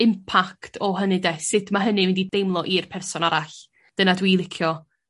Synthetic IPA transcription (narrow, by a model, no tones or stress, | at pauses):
ɪmpʰaktʰɔɦənɨdɛsɨdmaɦənɨvɪndidejmlˠɔʔirpʰɛrsɔnaɾaɬ | d̥ənadwiːlˠɪkʰjɔ